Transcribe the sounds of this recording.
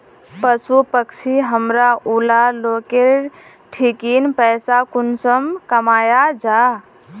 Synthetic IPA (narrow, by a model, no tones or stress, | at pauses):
pəsupəksʰiɦəmɾaulaloːke | ʈʰikiːnpɛːsakʊnsəmkəmaːjad͡ʒaː